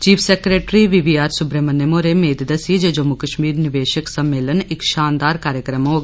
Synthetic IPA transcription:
t͡ʃiːpʰsɛːkɾeːʈɾiːʋiʋiːaːɾsʊbɾemənːemõːɾeːmeːd̪d̪əsid͡ʒed͡ʒomukəʃmiːɾnɪʋeːʃəksəmːeːlənɪkʃaːnd̪aːɾkaːɾjəkɾəmɦoːɡ

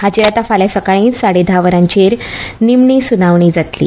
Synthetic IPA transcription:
hat͡ɕiɾat̪afaljasəkaɭ̃ĩːnsaɽed̪ʱaʋəɾãɲt͡ɕeɾnimɳiːsunaʋɳ̃iːd͡zat̪lḭː

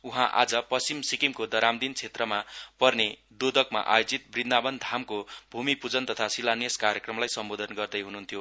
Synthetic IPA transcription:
uɦãʔa̰d͡zʌpʌst͡simsikimkod̪ʌɾamd̪int͡sʰet̪rʌmapʌrned̪od̪ʱʌkma̰ʔa̰jod͡zit̪̚brid̪nabʌnd̪ʱamkobʱumipud͡zʌnt̪ʌt̪ʰasilanjeskaɾjekrʌmlajsʌmbod̪ʱʌnɡʌrd̪ʌjɦunuɦnt̪ʰjo

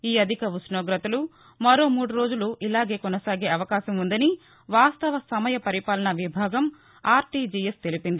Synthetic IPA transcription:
iːɐd̪ʱikɐʋusnoːɡɾɐt̪ɐlu | mɐɾo̞ːmuːɽuɾo̞ːd͡ʒuluʔilaːɡe̞ːkɔnɐsaːɡe̞ːɐʋɐkaːʃɐmund̪ɐni | ʋaːst̪ɐʋɐsɐmɐjɐpɐɾipaːlɐnɐʋibʱaːɡɐm | aːɾʈid͡ʒijest̪e̞lipind̪i

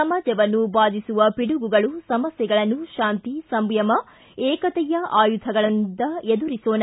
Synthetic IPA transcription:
ɐmaːd͡ʒɐʋɐnːubaːd̪isuʋɐpiɽuɡuɡɐɭusɐmɐsjɛɡɐɭɐnːuʃaːnt̪isɐmbjɐmɐ | ɛːkɐt̪ɛjɐʔaːjud̪ʱʰɐɡɐɭɐnd̪ɐed̪uɾisoːnɐ

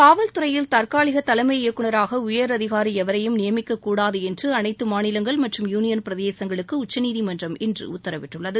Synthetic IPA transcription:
kaːʋɐlt̪ɯɾɐjɪlt̪ɐɾkaːɭɪɣɐt̪ːɐlɐmɐjɪjɐkːɯɳɐɾaːɣɐʊjɐɾɐðɪɣaːɾiɛʋɐɾɐjɯmnɪjɐmɪkːɐkːuːɽaːðɯɛndrɯɐnɐɪt̪ːɯmaːnɪlɐŋɡɐɭmɐʈrɯmjuːnɪjɐnpɪɾɐðeːsɐŋɡɐɭɯkːɯʊt͡ʃːɐniːðimɐndrɐmɛndrɯ̰ʊt̪ːɐɾɐʋɪʈːɯɭːɐðɯ

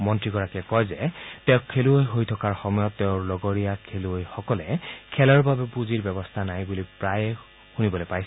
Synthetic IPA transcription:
mɔntɹiɡɔɹakɛkɔjzɛtɛʊkkʰːeluojɦojtʰɔkaɹxɔmɔjɔtːɛʊ̃ɹlɔɡɔɹijakʰeluojxɔkɔlɛkʰɛlɔɹbabɛpuziɹbɛbɔstʰanajbulipɹajɛ | xunibɔlojpajs

